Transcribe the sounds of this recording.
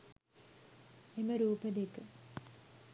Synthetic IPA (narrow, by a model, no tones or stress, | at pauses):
eməɾuːpəd̪ekə